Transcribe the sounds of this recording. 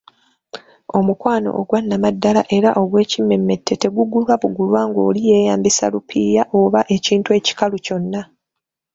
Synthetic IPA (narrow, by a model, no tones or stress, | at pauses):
o̞mukwaːno̰ʔːɡwanːamadːalaʔe̞ɾaʔo̞ɡwe̞ːcimːe̞mːe̞tʰːe̞te̞ɡuɡulwaβuɡulwaːŋɡo̞̰ːlije̞ːjaːmbisa̰lupʰiːjaʔoβaʔe̞ciːntue̞ːci̥kaluco̞nːa